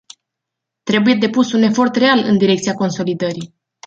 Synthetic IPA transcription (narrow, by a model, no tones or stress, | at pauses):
t̪ɾe̞buje̞d̪e̞pusune̞fo̞rt̪re̞alɨ̰nd̪iɾekt̪siako̞nso̞lid̪əɾi